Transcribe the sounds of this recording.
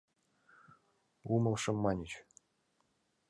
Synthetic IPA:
umɤ̆lˠʂɤ̆mːɑnʲit͡ɕ

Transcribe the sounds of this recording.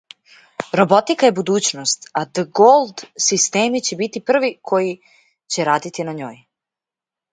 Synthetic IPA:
ɾo̞bo̞t̪ikaje̞bud̪uːt͡ɕnost̪ad̪əɡolˠd̪sist̪eːmit͡ɕe̞bit̪ipr̩ʋikʰo̞ji | t͡ɕe̞ɾaːd̪it̪inaɲo̞̰ːj

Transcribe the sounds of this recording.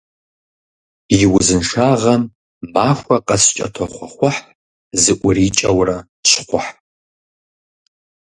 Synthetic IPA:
jiwʊzɨnʂaːʁɐmː | aːxʷɐqʼɐst͡ʃʼɐ̰tʰɐχʷɐχʷʊħ | zɨʔʷʊrit͡ʃʼɐwrɐ | ɕqʷʊħ

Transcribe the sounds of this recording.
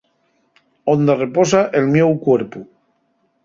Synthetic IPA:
ond̪areposaʔelmjewkweɾpu

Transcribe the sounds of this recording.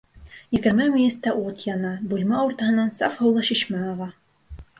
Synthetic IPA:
jɘ̆ɡɘ̆ɾmæmʲinʲɘ̆st̪æʔut̪jɑnɑbulʲmɑuɾt̪ɑ̆ɦɤ̆nːɑnsɑfhɤ̆wlˠɑɕĭɕmæɑʁɑ

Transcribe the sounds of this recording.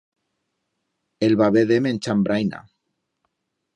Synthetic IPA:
elβaβeðemẽnt͡ʃambɾajna̰

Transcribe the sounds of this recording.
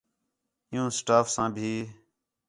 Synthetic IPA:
ɪjũːsʈaːfsãːbʱiː

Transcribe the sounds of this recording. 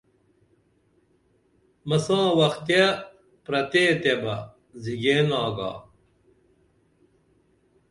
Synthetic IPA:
mɐsãːwɐxt̪e | pɾɐt̪eːt̪ebɐ | ziɡeːnaːɡa̰ː

